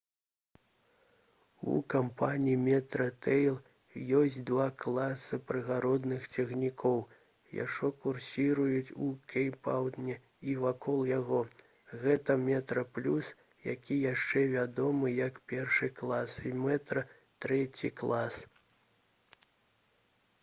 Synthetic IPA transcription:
ṵkampanʲijimʲɛt̪ɾɐt̪ɛjlˠ | jɔsʲd͡zʲt͡sʲd̪vaklˠasɨpɾɨɣaɾɔd̪nɨxt͡sʲɛɣnʲikʰɔw | ja̰ʂɔkursʲiɾujut͡sʲukʲɛjpawd̪nʲɛ | ivakʰɔlˠjaɣɔ | ɣɛt̪ɐmʲɛt̪ɾɐplʲus | jakʲijaʂt͡ʂɛvʲad̪ɔmɨjɐkpʲɛrʂɨklˠasimɛt̪ɾɐ | t̪ɾɛt͡sʲḭklˠas

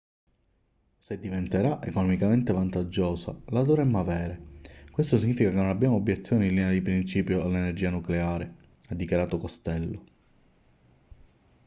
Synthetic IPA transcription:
sed̪ːivent̪eɾaʔḛkonɔmikament̪evant̪ad͡ʒːoːsa̰lad̪ovɾemːavɛːɾekwest̪osiɲːiːfikakenːonabjaːmoːbːjet̪sːjoːnilinead̪ipɾint͡ʃiːpjoalːenerd͡ʒiːanukleaːɾe | ad̪ːikjaɾaːt̪okost̪ɛlːo

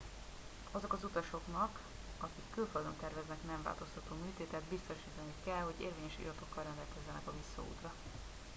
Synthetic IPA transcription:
ɒzo̞kɒzut̪ɒʃo̞knɒk | ɒkikːylføld̪ønt̪ɛrvɛznɛknɛɱva̰ːlt̪o̞st̪ɒt̪oːmyːt̪eːt̪ɛt̪bist̪o̞ʃiːt̪ɒnikɛlho̞ɟḛːrveːɲɛʃḭːɾɒt̪o̞kːɒlrɛnd̪ɛlkɛzːɛnɛkɒvisːɒ̰ṵːt̪rɒ

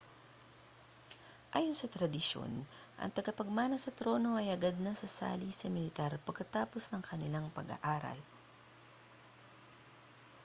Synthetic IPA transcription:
ʔaːjonsɐt̪ɾɐd̪ɪʃo̰n | ʔɐ̰ŋt̪ɐɡɐpɐɡ̚maːnɐsɐt̪ɾo̞ːno̞ʔɐjɐɡad̪̚nɐsɐsa̰ːlisɐmɪlɪt̪aɾpɐɡ̚kːɐt̪aːpo̞snɐŋkʰɐnɪlaŋpɐ̰ɡa̰ʔaːɾɐ̰l

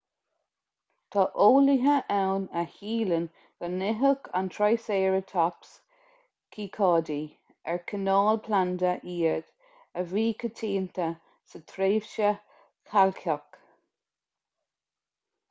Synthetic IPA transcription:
t̪ʰɑʔoːliɦəʔɛwnəhiːlən | ɡ̥ənɪɦəkʰa̰nt̪ʰɹajseːɹət̪ʰaps | kʰikʰɑːdi | ɛɹkʰənɑːlpʰland̪əʔiːɹd̪̥ | əviːkʰət̪ʰiːnt̪ʰə | sət̪ʰɾeːvʃə | kʰalkʰɔk

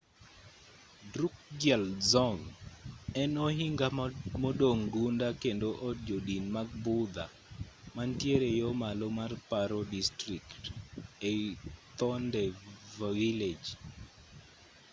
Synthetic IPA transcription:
dɾuk̚d͡ʒjɛlzɔŋ | ɛnɔɦiŋɡamodoŋɡundakendoʔɔd͡ʒodinmaɡ̚bʊd̪a̰ | mantjeɾejɔmalomarpaɾɔdistɾiktet̪ɔndɛvawiled͡ʒ

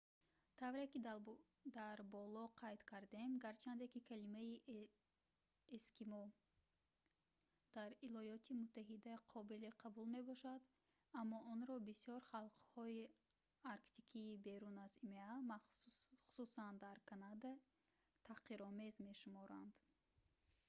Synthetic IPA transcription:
t̪ʰavɾekid | d̪aɾbɔlɔqʰajt̪kʰaɾd̪e̞mɡaɾt͡ʃʰand̪ekikʰalimai | eskimɔ | d̪̥aɾilɔjɔt̪ʰimut̪ʰːaɦid̪æqʰɔbiliqʰabulme̞bɔʃad̪ | amːɔʔɔnɾɔbisiɔɾχalˠqhɔi | aɾkt̪ikʰiːbe̞ɾunazimeamaχu̥susand̪aɾkʰanad̪a | t̪ʰaqiɾɔmezme̞ʃumɔɾand̪

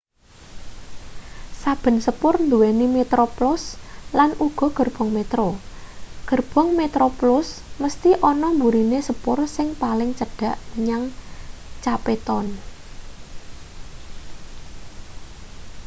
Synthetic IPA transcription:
sab̥ə̤nsəpʊrnd̪uwenimet̪ɾoplʊslanʔuɡ̥ɔ̤ɡ̥ə̤rb̥ɔ̤ŋmet̪ɾo | ɡ̥ə̤rb̥ɔ̤ŋmet̪ɾoplʊsməst̪iʔɔnɔmbuɾinesəpʊrsɪŋpalɪŋt͡ʃəɖ̥a̤ʔməɲaŋ | t͡ʃapet̪ɔn

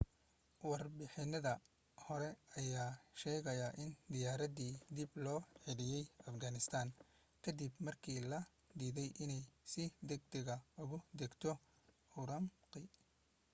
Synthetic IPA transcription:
wɑrbɪħɪnɐðɐ | hɔɾɛɐjaːʃɛːɣɐjɐʔɪnd̪ɪjaːɾɐðiːd̪ɪblɔːħɪlɪjɛjɐfɡanɪst̪ʰaːn | kʰɐd̪ibmɐrkʰiːlɐ | d̪iːðɛjʔɪnɛjsɪd̪ɛɡ̚d̪ɛɣɐʊɣʊd̪ɛɡt̪ʰɔ | ʊɾɐmqɪ

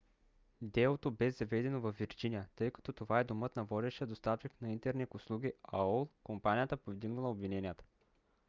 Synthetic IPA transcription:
d̪ɛlˠot̪obɛzɐvɛd̪ɛnovɐfviɾd͡ʒinijət̪ɤjkɐ̥t̪ɔt̪ovaɛd̪omɤt̪nɐvɔd̪ɛʃiəd̪ost̪aft͡ʃiknɐint̪ɛɾnɛkʊslˠuɡ̟ʲiaɔlˠkompanʲijət̪əpovd̪iɡnɐlˠɐobvinɛnijət̪ə̥

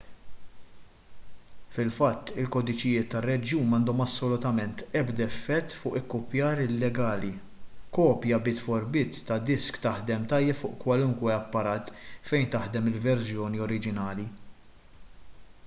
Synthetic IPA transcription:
fɪlfɐt̪ːɪlkɔːd̪ɪt͡ʃɪjɪːt̪ːɐrːɛd͡ʒjuːnɐnd̪ɔmɐsːɔlʊt̪ɐmɛnt̪ɛbd̪ɐɛfːɛt̪ːfʊːʔɪkːʊpjɐːɾɪlːɛɡɐːli | kɔːpjɐbɪt̪fɔɾbɪːt̪ːɐd̪ɪskt̪ɐħd̪ɛmt̪ɐjːɛpfʊːʔkwɐlʊŋkwɛɐpːɐɾɐːt̪fɛjnt̪ɐħd̪ɛmɪlvɛɾzjɔːniɔɾɪd͡ʒɪnɐːli

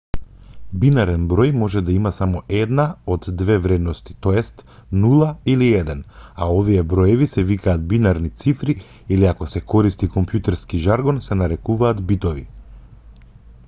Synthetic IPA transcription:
binaɾɛnbɾɔjmɔʒɛd̪aimasamɔʔɛd̪naɔd̪ːvɛvɾɛd̪nɔst̪i̥t̪ɔjɛst̪ | nulˠailiɛd̪ɛnaoviɛbɾɔjɛvisɛvikaːt̪̚binaɾnit̪sifɾi | iliakɔsɛkɔɾist̪ikɔmpjut̪ɛɾskiʒaɾɡɔnsɛnaɾɛkuvaːt̪bit̪ɔvḭ

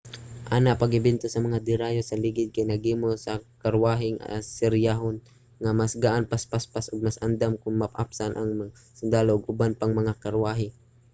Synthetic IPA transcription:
ʔaːnapaɡɪbɪnt̪osɐmɐŋad̪ɪɾajosɐlɪɡɪd̪̚kajnɐɡimosɐkaɾwaːɦɪŋa̰sɪɾjaɦon | ŋamasɡaʔanpaspaspasʔʊɡ̚masʔand̪amkʊŋmapʔa̰psanʔaŋm | sʊnd̪aːloʔːɡʔʊbanpaŋmɐŋakaɾwaːɦɪ

